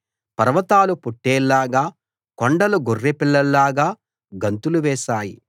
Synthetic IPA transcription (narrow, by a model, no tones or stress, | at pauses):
pɐɾɐʋɐt̪aːlupoʈːɛːlːaːɡaː | kɔɳɖɐluɡorːepilːɐllaːɡaː | ɡɐnt̪uluʋɛːʃaːji